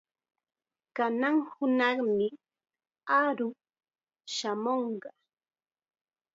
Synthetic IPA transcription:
kanaŋhʊnɑχmɪ | aɾʊ | ʃamoɴɢɑ

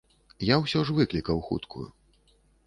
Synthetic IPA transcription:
jawsʲɔʐvɨklʲikɐwxṵt̪kʰṵjṵ

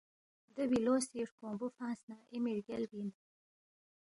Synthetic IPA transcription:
d̪əwilosiʂkõmbufɑ̃ːnsnɑʔɪmiɾɡelbin

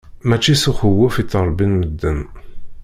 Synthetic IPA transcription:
mæt͡ʃːisuχəwːʊfit̪ːəɾˤbinməd̪ːən

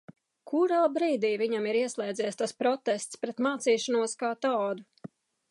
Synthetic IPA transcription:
kʰuɾaːbɾiːd̪iːviɲamiɾiɛslˠɛjd̪zɛːjst̪aspɾɔt̪ɛst̪spɾɛt̪maːt̪siːʃanuɔskaːt̪ɑːd̪u

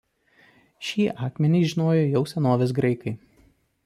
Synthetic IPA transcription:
ʃʲiːʔɑːkmʲɛnʲɛɪʒʲɪnoːjɛjɛʊsʲɛnoːʋʲɛsɡɾɐɪkɐɪ

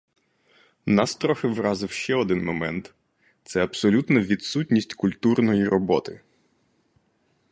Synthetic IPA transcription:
nɑst̪ɾɔxɪʋɾɑzɪwʃt͡ʃɛɔd̪ɪnmɔmɛnt̪ | t̪sɛɐbsɔlʲut̪nɐʋʲid̪sutʲnʲisʲtʲkʊlʲt̪urnɔjiɾɔbɔt̪ɪ

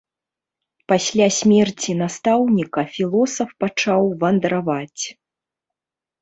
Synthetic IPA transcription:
pasʲlʲasʲmʲɛrt͡sʲinast̪awnʲikɐfʲilˠɔsɐfpat͡ʂawvɐnd̪ɾavat͡sʲ

